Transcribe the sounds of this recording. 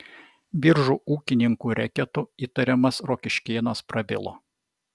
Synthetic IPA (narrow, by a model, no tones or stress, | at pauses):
bʲɪɾʒuːuːkʲɪnʲɪŋkuːɾʲɛkʲɛt̪uiːt̪ɐɾʲɛmɐsɾoːkʲɪʃʲkʲeːnoːspɾɐbʲɪ̰lˠo̰ː